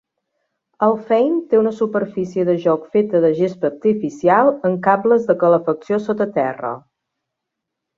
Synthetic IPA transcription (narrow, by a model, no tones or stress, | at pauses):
əlˠfɛjnt̪eunəsupəɾfisiəðəʒɔkfet̪əðəʒespəɾt̪ifisialˠəŋkamləzðəkələfəksiosot̪ət̪ɛ̰rə̰